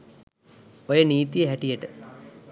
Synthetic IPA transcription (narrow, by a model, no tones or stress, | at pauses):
ojəniːt̪ijəɦæʈijəʈə